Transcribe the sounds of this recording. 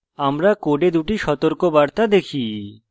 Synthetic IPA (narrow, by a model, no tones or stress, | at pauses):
amɾakoɖed̪uʈiʃɔt̪oɾkobaɾt̪ad̪ekʰi